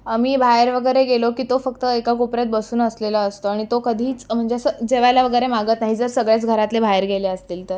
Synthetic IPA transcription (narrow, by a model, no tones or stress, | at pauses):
amiːbʱajəɾʋəɡəjɾeɡelokiːt̪ofəkt̪əekakopɾat̪̚bəsuːnəsleləəst̪oaɽ̃it̪okəd̪ʱiːt͡sm̤əɳd͡zesəd͡zeʋajlaʋəɡəjɾemaɡət̪naɦid͡zəɾsəɡɭjat͡sɡʱəɾat̪lebʱajəɾɡʱeleəst̪iːlt̪əɾ